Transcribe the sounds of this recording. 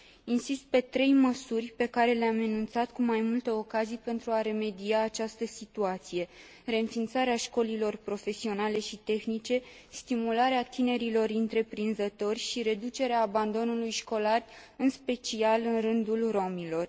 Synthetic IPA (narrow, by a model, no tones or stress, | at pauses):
insist̪̚pe̞t̪ɾe̞jməsurʲpe̞kaɾe̞leamenunt̪sat̪kumajmult̪əo̞kazijpe̞nt̪ɾuaɾe̞me̞d̪iaːt͡ʃast̪əsit̪uat̪sije̞ | re̞nfint̪saɾeaʃko̞lilo̞rpɾo̞fe̞sio̞nale̞ʃit̪e̞xnit͡ʃe̞ | st̪imulaɾeat̪ine̞ɾilo̞ɾɨnt̪ɾe̞pɾinzət̪o̞rʲʃiɾe̞d̪ut͡ʃe̞ɾeaːband̪o̞nulujʃko̞larɨnspe̞t͡ʃialɨnrɨnd̪ulro̞milo̞r